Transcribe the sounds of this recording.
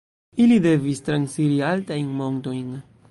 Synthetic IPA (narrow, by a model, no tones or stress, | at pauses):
ilide̞vistɾansiɾialtajnmo̞ŋto̞jn